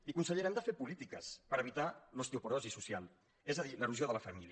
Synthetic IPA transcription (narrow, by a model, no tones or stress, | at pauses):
ikunsəʎəɾɛnd̪əfepulit̪ikəspəɾəβit̪alost̪eupuɾɔzisusjalˠ | ezəðiləruzjoðələfəmiliə